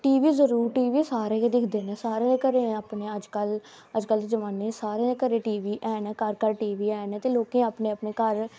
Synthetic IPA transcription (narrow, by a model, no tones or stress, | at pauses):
ʈiːʋiːzəɾuːɾʈiːʋiːsaːɾẽːed̪ɪkʰd̪eːnẽːsaːɾẽːkəɾeːaːpneːəd͡ʒkəl | əd͡ʒkəld̪eːd͡ʒəʋaːneːsaːɾẽːkəɾẽːʈiːʋiːʔɛːnɛ̃ːkəɾkəɾʈiːʋiːɛːnɛːt̪eːloːkẽːaːpneːapneːkəɾ